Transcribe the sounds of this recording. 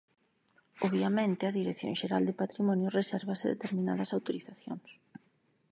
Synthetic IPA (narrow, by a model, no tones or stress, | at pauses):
oβjamẽnt̪ɪɐðiɾekθjõ̰ŋʃeɾald̪epat̪ɾimɔnjʊresɛɾβɐsɪðḛt̪eɾmina̰ðɐsawt̪oɾiθaθjo̰ŋs